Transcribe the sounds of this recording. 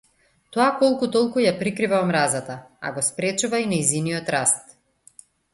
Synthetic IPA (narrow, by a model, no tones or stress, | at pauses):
t̪ɔakɔlˠkut̪ɔlˠkujapɾikɾivaɔmɾazat̪aa̰ɡɔspɾɛt͡ʃuvainajziniɔt̪ɾast̪